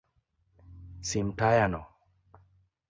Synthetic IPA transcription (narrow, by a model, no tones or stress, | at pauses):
simtajanɔ